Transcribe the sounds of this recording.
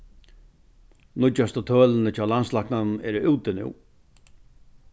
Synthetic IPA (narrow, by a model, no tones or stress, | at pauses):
nʊt͡ʃːast̪ət̪ʰœːlənət͡ʃʰaːlanslaknannɛɾʉwt̪ɪnṵw